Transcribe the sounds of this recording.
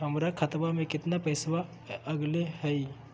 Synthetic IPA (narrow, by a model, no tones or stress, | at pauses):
ɦəmɾakʰət̪bamẽkɪt̪napəjsʋa | əɡleɦəj